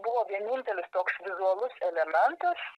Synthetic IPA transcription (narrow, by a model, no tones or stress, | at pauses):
bʊʋoːʋʲiɛnʲɪnʲt̪ʲɛlʲɪst̪oːksʋʲɪzuɐlˠʊsɛlʲɛmʲɛnt̪ɐs